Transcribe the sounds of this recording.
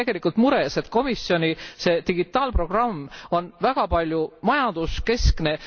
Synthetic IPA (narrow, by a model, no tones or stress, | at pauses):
e̞ɡ̥e̞likːˑult̪muɾe̞se̞t̪ko̞misjo̞nʲise̞ːt̪iɡ̥it̪ːˑɑːlpro̞ɡ̥rɑmːo̞nvæɡ̥ɑpɑlʲjumɑjɑnd̪̥uske̞skne̞